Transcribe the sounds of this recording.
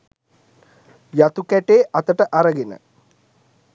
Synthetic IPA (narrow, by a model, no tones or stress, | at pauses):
jat̪ukæʈeːʔat̪əʈəʔaɾəɡenə̰